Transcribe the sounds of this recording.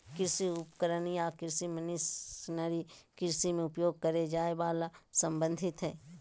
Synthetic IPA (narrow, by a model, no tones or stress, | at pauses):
kɪɾsiʊpkəɾənijakɪɾsimənɪsnəɾikɪɾsimẽʊpjoːɡ̚kəɾed͡ʒaːebaːlasə̃mbə̃nd̪ʱɪt̪ɦɛː